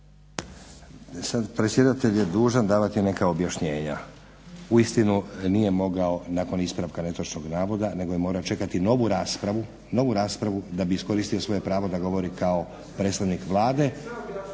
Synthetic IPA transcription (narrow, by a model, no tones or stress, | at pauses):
sad̪pɾesʲje̞d̪at̪eʎjed̪uːʒand̪aːʋat̪ine̞kaobjaʃɲe̞ːɲa | uist̪inunije̞mo̞ɡao̞naːko̞nispɾaʋkane̞t̪ot͡ʃnoɡnaːʋo̞d̪ane̞ɡo̞jemo̞ːɾaot͡ʃe̞kat̪ino̞ʋuɾaspɾaʋu | no̞ʋuɾaːspɾaʋud̪abiːsko̞ɾist̪io̞sʋo̞je̞pɾaːʋo̞d̪aɡo̞ʋo̞ɾikao̞ | pɾe̞ːt̪st̪aʋnikʋlˠaːd̪e̞